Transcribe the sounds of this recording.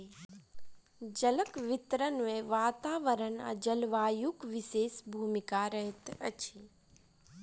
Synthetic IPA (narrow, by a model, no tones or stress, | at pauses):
d͡ʒɐləkʋɪt̪ɾənmẽʋaːt̪aːʋəɾənɐ̰d͡ʒəlʋaːjukʋɪseːsbʱuːmɪkaɾəɦɪt̪ɐ̰t͡ʃʰi